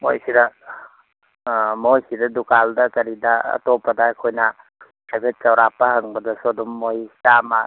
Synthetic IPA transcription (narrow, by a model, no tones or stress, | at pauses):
mojsidɐ | mojsidɐdukaldɐkɐɾidɐɐ̰topːɐdaːjkʰojnɐ | sabʱet̚t͡ʃɐwɾapːɐhɐŋbɐdɐsodɔmːojsama